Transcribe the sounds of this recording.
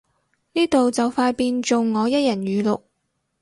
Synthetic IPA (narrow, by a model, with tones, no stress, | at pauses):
niː˥t̪o˨wt͡sɐ˨wfaː˧jpiː˧nt͡ʃʊ˨wŋɔː˨˧jɐ˥t̚jɐ˨˩nɥyː˨˧lʊ˨k̚